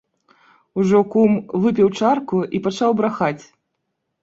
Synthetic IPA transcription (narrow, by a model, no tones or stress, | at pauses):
uʐɔkumvɨpʲɛwt͡ʂarkuʔipat͡ʂawbɾaxat͡sʲ